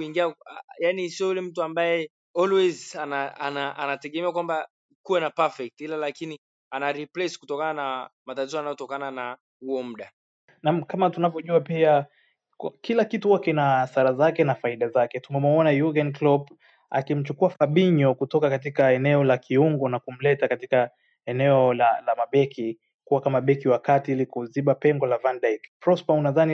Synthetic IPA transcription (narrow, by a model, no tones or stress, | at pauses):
kuiŋɡiajanisiɔjulɛm̩tuambajɛ | ɔlwɛzanaanaʔanatɛɠɛmɛakwamba | kuwɛnapafɛk̚tilalakini | anaɾiplɛskutɔkananamatatizɔanajɔtɔkanana | huɔm̩ɗa | namkamatunavjɔʄuapia | kkilakituhuwakɛnaːsaɾazakɛnafaiɗazakɛtumɛmɔɔnajuɡɛnklɔp | a̰kim̩t͡ʃukuafaɓiɲɔkutɔkakatikaɛnɛɔlakiuŋɡɔnakum̩lɛtakatika | ɛnɛɔlalamaɓɛkʰi | kuwakamaɓɛkiwakatiilikuziɓapɛŋɡɔlavandajkpɾɔspaunaðani